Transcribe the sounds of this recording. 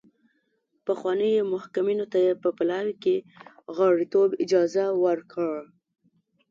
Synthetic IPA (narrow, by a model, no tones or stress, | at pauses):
pəxwɑnəjemʊhkaminot̪ajepəpalɑwkeɣɑɽit̪obɪd͡ʒɑzawəɾkʰəɽ